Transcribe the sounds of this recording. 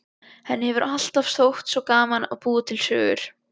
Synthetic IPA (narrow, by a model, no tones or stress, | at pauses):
hɛnːɪhɛvʏɾʔal̥t̪afsθowht̪sɔkaːmana̰ðpuːðʏt̪ʰɪlsœ̰ːɣʏ̰ɾ̥